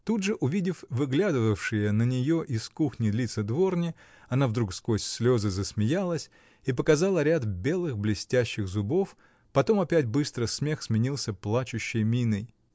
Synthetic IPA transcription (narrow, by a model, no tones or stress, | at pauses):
t̪ud̪ʐɨʔʊvʲidʲɪfvɨɡlʲad̪ɨvəfʂɨjənənʲɪjo̞ʔɪskuxnʲɪd̪lʲit̪səd̪vo̞rnʲɪ | ɐnavd̪ɾukskosʲsʲlʲo̞zɨzəsmʲɪjalˠəsʲ | ipəkɐzalˠəɾʲat̪bʲe̞lˠɨxblʲɪsʲtʲæɕːɪɣzʊbo̞f | pɐt̪o̞mɐpʲætʲbɨst̪ɾəsmʲe̞xsmʲɪnʲilˠsʲəplˠat͡ɕʊɕːɪjmʲinɨj